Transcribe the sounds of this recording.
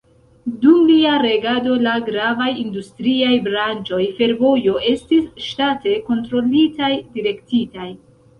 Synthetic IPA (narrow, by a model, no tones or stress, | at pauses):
dumliaɾe̞ɡado̞laɡɾavajindustɾiajbɾant͡ʃo̞jfe̞ɾvo̞jo̞ʔe̞stisʃtate̞ko̞ntɾo̞litajdiɾe̞ktitaj